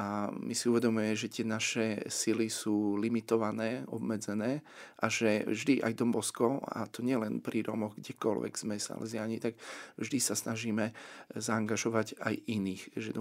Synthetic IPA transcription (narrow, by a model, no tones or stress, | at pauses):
ʔamʔisiuʋɛd̪ɔmujɛmɛʒɛt̪ɪɛnaʃɛsilisuːlimit̪ɔʋanɛːɔ̰bmɛd͡zɛnɛːʔaʒɛvʒd̪iʔa̰jd̪ɔmbɔskɔa̰t̪ɔɲɪɛlɛnpɾʔiɾɔmɔɣɡɟɛkɔ̰lʋɛ̰ɡz̥mɛsa̰lʔɛ̰zɪaɲit̪akvʒd̪isasnaʒiːmɛzaːŋɡaʒɔʋaɟa̰jiniːxʒɛ̰d̪ɔ